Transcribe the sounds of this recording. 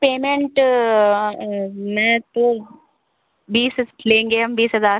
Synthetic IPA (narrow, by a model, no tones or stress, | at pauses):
peːmẽɳʈ | mɛ̃ːt̪o | biːslẽːŋɡeɦɐ̃mbiːsɦɐzaː